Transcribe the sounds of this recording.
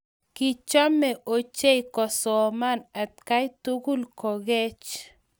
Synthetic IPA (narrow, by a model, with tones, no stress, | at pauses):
kit͡ʃa˦mɛ˨ʔo˨t͡ʃe˦jkɔ˨sɔ˨ma˦na˨t̪̚ka˦jt̪u˦ɡʊ˦lkɔ˨ɡɛ˦t͡ʃ